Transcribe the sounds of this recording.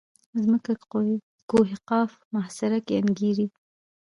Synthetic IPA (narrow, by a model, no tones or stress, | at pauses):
zməka | koɦɪqɑf | mahsɪɾakeanɡiɾi